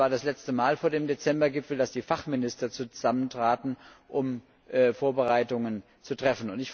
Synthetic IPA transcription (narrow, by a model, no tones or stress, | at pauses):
aːɐdaslɛt͡stəmaːlfoːɐdeːmdet͡sɛmbɐɡɪpfl̩dasd̥iːfaχmɪnɪstɐt͡suz̥aməntʁ̥aːtn̩ʔʊm | ʔfoːɐbəʁaɪtʊŋən | t͡sutʁ̥ɛfn̩ʊntɪç